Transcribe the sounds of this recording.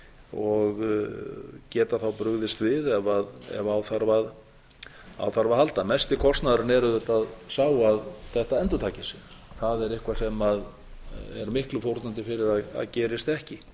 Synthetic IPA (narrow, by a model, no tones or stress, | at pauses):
ɔɣ | cɛːt̪aθawpɾʏɣðɪst̪vɪðɛvaðɛ̰vaawθaɾvað | a̰wθaɾvaðhalt̪amɛst̪ɪkʰɔst̪naðʏɾɪnɛɾʏðʏt̪aðsaːwaðθɛht̪aɛnt̪ʏt̪ʰaːcɪsjɛɾ̥ | θaðɛɾɪhkvasɛmað | ɛɾmɪhklʏfowɾt̪nant̪ɪfɪɾɪɾaða̰ðcɛːɾɪst̪ɛhcɪ